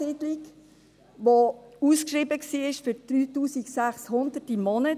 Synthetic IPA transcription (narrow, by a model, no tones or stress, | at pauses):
idlik | ʋouːskʃɾiːbəksiːɪʃfyɾd̥̪ɾyːtuːsiksæχshʊnd̥̪ətimɔnə